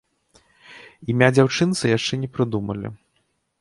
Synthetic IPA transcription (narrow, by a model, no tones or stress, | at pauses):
imʲad͡zʲawt͡ʂɨnt̪sɨjaʂt͡ʂɛnʲɛpɾɨd̪umɐ̰lʲḭ